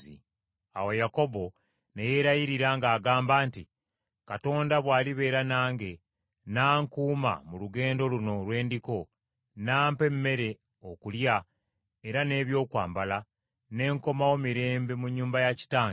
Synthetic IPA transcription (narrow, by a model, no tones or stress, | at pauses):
ḭ | a̰wejako̞bo̞ | neje̞ːɾajiɾiɾaŋɡaːɡaːmbaːnti | kato̞ːndaβwaːliβe̞ːɾanaːŋɡe̞ | naːŋkuːma̰muluɡe̞ːndo̞luno̞lwe̞ːndiko̞ | naːmpemːe̞ɾe̞ | okulja | eɾane̞ːβjo̞ːkwa̰ːmbala | ne̞ːŋko̞mawo̞miɾe̞ːmbe̞muɲːuːmbajaci̥taːŋa